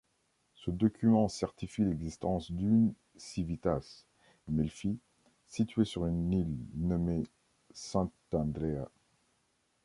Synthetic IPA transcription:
səd̪ɔkʲʰymɑ̃sɛʁt̪ifilɛɡzist̪ɑ̃sd̪yn | sivit̪as | mɛlfi | sit̪ɥesyʁynilnɔme | sɛ̃t̪ɑ̃d̪ʁea

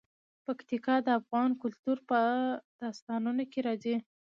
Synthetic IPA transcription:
pakt̪ikɑd̪əafɣɑnkʊlt̪uɾpəd̪̥ɑst̪ɑnunokeɾɑzi

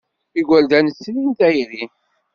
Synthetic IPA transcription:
iɡæld̪ænəsːlint̪æjɾin

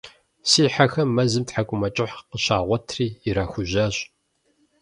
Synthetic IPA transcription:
siːħaxɐmmːɐzɨmtħakʷʼʊmɐt͡ʃʼɪħqəɕaːʁʷɔtʰriːɾaːxʷʊʑɐɕʼ

